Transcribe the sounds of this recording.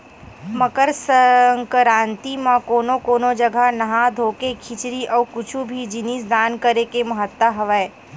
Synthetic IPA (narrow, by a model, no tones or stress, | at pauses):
mɐkəɾsəəŋkɾãːnt̪imãkoːnokoːnod͡ʒɐɡʱanɐɦãd̪ʱoːkekʰɪt͡ʃɾiʔɔːkʊt͡ʃʰubʱid͡ʒɪnisd̪aːnkəɾekemɐɦət̪wəɦɐʋɛː